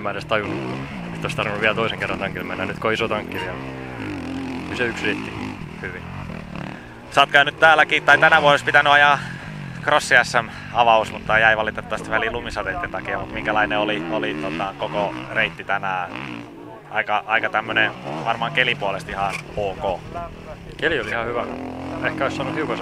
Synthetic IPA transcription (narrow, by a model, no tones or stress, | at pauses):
mæt̪est̪ɑjunːu | et̪ːoist̪ɑrʋinːuʋiælt̪oiseŋkerːɑnt̪ɑŋkilmenːænyt̪koisot̪ɑŋkːiʋiæl | kyseyksreit̪ːi | hyʋi | sɑːt̪̚kæynyt̪t̪æːlækiːt̪t̪ɑit̪ænæʋuoospit̪ænyɑjɑ | krosːiɑsːɑn | ɑʋɑusmut̪ːɑjæiʋɑlit̪et̪ːɑɑst̪ʋælilumisɑt̪et̪ːent̪ɑkiɑmut̪miŋkælɑineoliolit̪ot̪ɑkokoreit̪ːit̪ænæː | ɑikɑʔɑikɑt̪æmːøneʋɑrmɑːŋkelipuolest̪ihɑoːkoː | keliolihɑhyʋæehkæoissɑːnuhiukɑs